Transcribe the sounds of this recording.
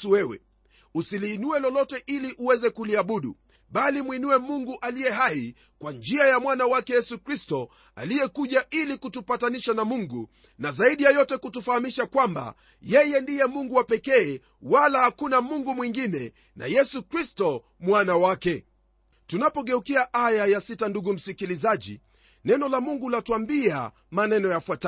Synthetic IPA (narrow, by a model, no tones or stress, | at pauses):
uwɛwɛ̰ | usiliːnuɛlɔlɔtɛʔiliʔuwɛzɛkuliaɓuɗṵ | ɓalimwinuɛmuŋɡuʔalijɛɦai | kwand͡ʒiajamwanawakɛjɛsukɾistɔ | a̰lijɛkuʄaʔilikutupataniʃanamuŋɡu | nazaiɗijajɔtɛkutufahamiʃakwamba̰ | jɛjɛndijɛmuŋɡuwapɛkɛː | walahakunamuŋɡumwiŋɡinɛ | na̰jɛsukɾistɔ | mwanawakɛ | tunapɔɠɛukiaʔajajasitanduɡum̩sikilizaʄḭ | nɛnɔlamuŋɡulatuambia̰ | manɛnɔjafwata